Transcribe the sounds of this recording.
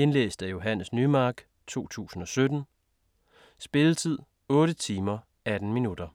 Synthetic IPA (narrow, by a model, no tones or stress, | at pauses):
e̝nlḛːsd̥æjo̝ɦænəsnymɑ̈ːɡ̥ | t͡sʰo̝̰ːt͡sʰṵːsn̩ɒ̽sød̥n̩ | sb̥e̝lət͡sʰið̞̰ˠ | ɔ̽ːɾ̥ət͡sʰiːmɐ | æd̥n̩minud̥ɐ